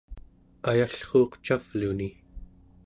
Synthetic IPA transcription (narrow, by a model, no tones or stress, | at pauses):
ajaɬχoːqt͡ʃav̥luni